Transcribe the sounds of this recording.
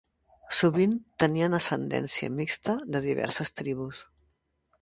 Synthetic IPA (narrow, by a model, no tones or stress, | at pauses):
suβint̪əniənəsənd̪ɛ̰nsiə̰mikst̪əðəðiβɛ̰ɾsəst̪ɾiβ̞us